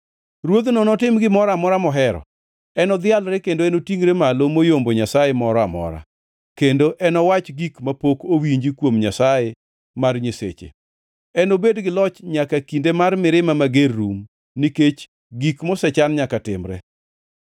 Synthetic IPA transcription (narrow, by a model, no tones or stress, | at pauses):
ɾwod̪nɔnɔtɪmɡɪmɔɾamɔɾamɔɦɛɾɔ̰ | ɛnɔd̪ɪalɾɛkendoɛnotiŋɾemalomojomboɲasajemɔɾɔamɔ̰ɾa̰ | kendoʔɛnɔwat͡ʃɡikmapokowiɲd͡ʒikwomɲasaje | marɲesḛt͡ʃḛ | ɛnobedɡɪlɔt͡ʃɲakakindemarmɪɾɪmamaɡerːum | niket͡ʃ | ɡikmɔsɛt͡ʃanɲakatɪmɾɛ̰